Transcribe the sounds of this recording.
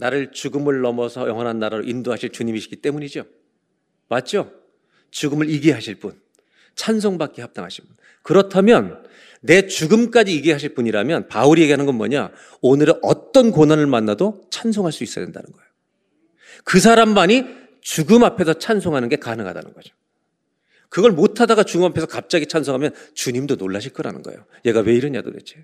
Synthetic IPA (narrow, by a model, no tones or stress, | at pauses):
naɾɯɭt͡ɕuɡɯmɯɭːʌmʌsʰʌjʌ̰ŋɦʌnɦanːaɾaɾoʔindoɦaɕʰiɭt͡ɕuɲimiɕʰi̥kit͈e̞muɲid͡ʑo | mat̚t͡ɕ͈o | t͡ɕuɡɯmɯɭiɡeɦaɕʰiɭp͈un | t͡ɕʰans̬ʰoŋbak͈ehap̚t͈a̰ŋɦaɕʰi̥pun | kɯɾʌtʰamjʌnː | e̞t͡ɕuɡɯmk͈ad͡ʑiːɡeɦaɕʰiɭp͈uɲiɾamjʌnpauɾie̞ɡeɦanɯnɡʌnmʌ̰ɲa | onɯɾeʔʌ̰t͈ʌnkonɦanɯɭmanːadot͡ɕʰans̬ʰoŋɦaɭs͈uis͈ʌdenda̰nɯnɡʌejo | kɯs̬ʰaɾamːaɲi | t͡ɕuɡɯmapʰe̞sʰʌt͡ɕʰansʰoŋɦanɯnɡe̞kanɯŋɦa̰da̰nɯnɡʌd͡ʑo̥ | kɯɡʌɭmotʰadaɡat͡ɕuɡɯmapʰe̞sʰʌkap̚t͡ɕ͈aɡit͡ɕʰansʰoŋɦamjʌnt͡ɕuɲimdonoɭːaɕʰiɭk͈ʌɾa̰nɯ̰nɡʌ̰ḛjo | je̞ɡawe̞iɾʌɲa̰do̰dḛt͡ɕʰe̥